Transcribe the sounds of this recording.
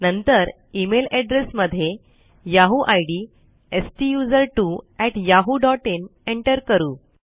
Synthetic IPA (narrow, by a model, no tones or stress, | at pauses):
nənt̪əɾ | imelɛɖɾesməd̪ʱːje | jaɦuʔajɽiː | esʈijud͡zəɾʈuːɛʈjaɦuɖɔʈeneɳʈəɾkəɾuː